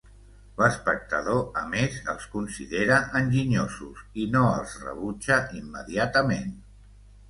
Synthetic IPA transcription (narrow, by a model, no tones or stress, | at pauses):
ləspək̚t̪əð̞oəmezəlˠskunsiðeɾəʔənʲʒiɲozusinoə̰lˠzrə̰βud͡ʒəʔimːəðiat̪əmen